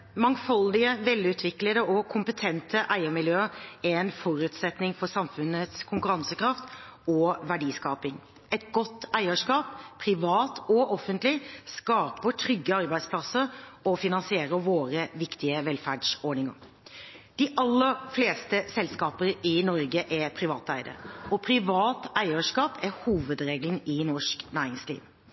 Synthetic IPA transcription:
mɑŋfɑld̪ɪəʋɛlːʉːt̪ʰʋɪkləd̪əʔɔkʰʊmpət̪ʰɛnt̪ʰəʔæɪəmɪljøːɾɛɛnfɔɾʉːt̪sɛt̪nɪŋfɔsɑmfʉnət̪skʰʊŋkʉɾɑnsəkɾɑft̪ | ɔʋæɖiːskɑːpɪŋ | ɛt̪ɡɔt̪ːæɪəʂkɑːp̚pʰɾɪʋɑːt̪ɔɔfənt̪lɪskɑːpəʈʰɾʏɡːəɑɾbæɪspʰlɑsəɾɔfɪnɑnsɪeːɾəʋoːɾəʋɪkt̪ɪəʋɛlfæɖʂɔɳɪŋə̰ɾ | d̪̥ɪʔɑlːəɾfleːst̪əsɛlskɑːpəɾɪnɔɾɡəʔɛpʰɾɪʋɑːt̪æɪd̪ə̰ɾɔpʰɾɪʋɑːt̪æɪəʂkɑːpɛhuːʋəd̪ɾeːɡln̩ɪnɔʂknæːɾɪŋslḭːʋ

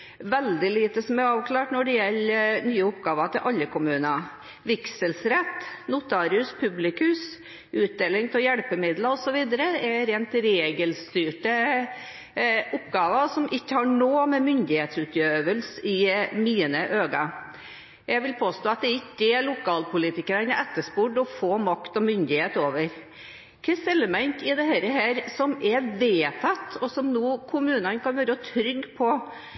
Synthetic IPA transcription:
ʋɛld̪ɪliːt̪əsɔmæɾɑːʋkʰlɑːʈnɔɖɛjɛlːnyːəʊpɡɑːʋɑt̪ʰɪlʔɑlːəkʊmʉːnɑ | ʋɪksəlsɾɛt̪ːnʊt̪ʰɑːɾɪʉspʰʉblɪkʉs | ʉːt̪̚d̪eːlɪŋt̪ʰɛljɛɽpəmɪd̪ləɔsɔʋiːd̪əɾəɛɾeːnt̪ɾeːɡəlst̪yːʈə | ʊpːɡɑːʋəsɔmʔɪçːəhɑɳoːmɛmʏnd̪ɪheːt̪sʉːt̪ʰjøːʋəlsɪmiːnəʔøːɡɑ | jæɪʋɪlpʰoːst̪oːɑt̪̚d̪ɛɪkːɛlʊkʰɑːlpʰʊliːt̪ɪkəɾənəʔɛt̪ːəʂpuːɖɔfoːmɑkt̪ɔmʏnd̪ɪheːt̪oːʋəɾ | kʰɛsɛlːəmɛnt̪ʰɪd̪ɛhæɾəɦæːɾsɔmɛʋeːt̪ʰɑt̪ːɔsɔmnuːkʰʊmʉːnɑnkʰɑnʋøːɾəɔt̪ʰɾʏɡːpʰɔ

